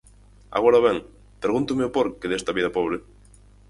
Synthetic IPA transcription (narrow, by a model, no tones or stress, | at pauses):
a̰ɣoɾaβɛŋ | peɾɣunt̪umeʊpoɾkeðest̪ɐaβiðɐapoβ̞ɾe